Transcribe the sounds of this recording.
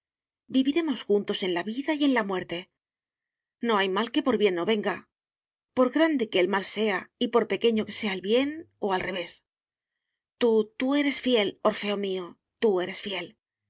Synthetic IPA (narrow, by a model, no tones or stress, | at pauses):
biβiɾe̞mo̞sxunt̪o̞se̞nlaβiðaje̞nlamwe̞ɾt̪e̞ | no̞ajmalke̞po̞ɾβje̞nːo̞βe̞ŋɡa | po̞ɾɣɾand̪e̞ke̞ːlmalse̞aipo̞ɾpe̞ke̞ɲo̞ke̞̥se̞aelβje̞n | o̞alre̞β̞e̞s | t̪ut̪ue̞ɾe̞sfje̞lo̞ɾfe̞omio | t̪ue̞ɾe̞sfje̞l